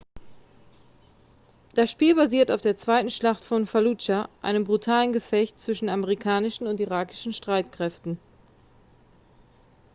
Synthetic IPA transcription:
d̥asʃpiːlbaziːɐtaʊfd̥eːɐt͡sv̥aɪtn̩ʃlaχtfɔnfalut͡ʃaʔa̰ɪnəmbʁutʰaːlənɡəfɛçtt͡sv̥ɪʃn̩aməʁikʰaːnɪʃn̩ʊntiʁaːkɪ̥ʃn̩ʃtʁ̥aɪtkʁ̥ɛftn̩

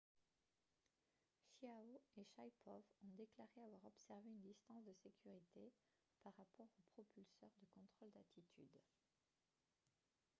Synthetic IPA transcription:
ʃiaoeʃajpʰɔvɔ̃d̪eklaʁeavwaʁɔpsɛʁveynd̪ist̪ɑ̃sd̪əsekʲʰyʁit̪ʰe | paʁːapɔʁopχɔpylsœʁd̪əkɔ̃t̪χɔld̪at̪ʰit̪ʰy̰d̪

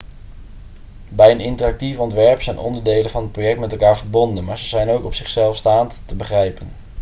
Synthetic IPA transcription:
bɛjənɪntərɑk̚tifɔntʋɛɹpsɛjnʔɔ̰ndəɹdejlənvɑnɦət̚prowjɛk̚tmɛtɛlˠkaːɹvəɹbɔndənmaːɹzəzɛjnowkɔpsɪχsɛlˠfstaːnttəbəχrɛjpən

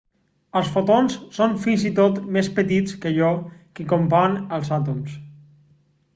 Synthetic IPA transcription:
əlˠsfot̪onssonfinzit̪ot̪mespət̪it͡skəʒɔkikompanəlˠzat̪̬ums

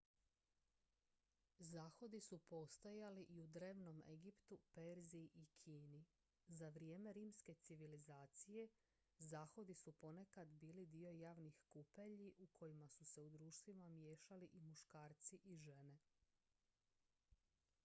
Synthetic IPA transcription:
zaːxo̞d̪isupo̞ːst̪ojaliʔiud̪ɾe̞ːʋno̞me̞̰ɡipt̪upeɾziʔikʰiːni | zaʋɾijeːme̞ɾiːmske̞t̪siʋilizaːt̪sije̞ | zaːxo̞d̪isupo̞ne̞kad̪biːlid̪io̞jaːʋnixkupeʎiʔukʰo̞jimasuse̞ud̪ɾuːʃt̪ʋimamje̞ːʃaliʔimuʃkaːɾt̪siʔiʒe̞ne̞

